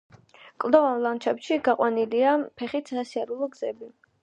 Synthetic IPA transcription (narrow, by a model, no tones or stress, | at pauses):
kʼlˠd̪ɔvanlˠant͡ʃʰɛpʃiɡaqʼwaniliapʰɛχit̪ʰsasiaɾulˠɔɡz̥ɛbi